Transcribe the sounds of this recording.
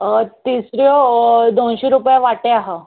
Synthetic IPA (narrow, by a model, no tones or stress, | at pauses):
t̪isɾjod̪onɕiɾupjaʋaʈeaɦə